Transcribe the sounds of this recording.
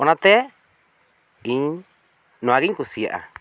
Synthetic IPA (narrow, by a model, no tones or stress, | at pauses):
onãt̪e | iɲ | nõaɣiŋkusiʔa̰